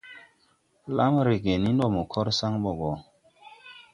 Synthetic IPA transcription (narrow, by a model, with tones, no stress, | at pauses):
la˦mɾe˨ɡe˨ni˦nɗo˨mo˨kʰɔ˦ɾsa˦ŋɓɔ˨ɡɔ˨